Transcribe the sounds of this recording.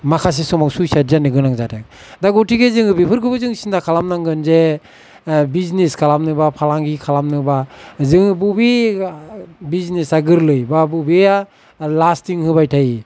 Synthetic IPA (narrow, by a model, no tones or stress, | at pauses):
makʰas̬esɔmaŋsujsadzanɯɡɯnaŋzatʰak | daɡɔtiɡezɯŋɯbipʰɯɾkʰɯbɯzɯŋsindakʰalamnaŋɡɯnze | bizneskʰalamnɯbapʰalaŋɡikʰalamnɯbazɯŋbubi | biznesaɡɯɾlɯjbabubea | lastiŋhɯbajtʰaji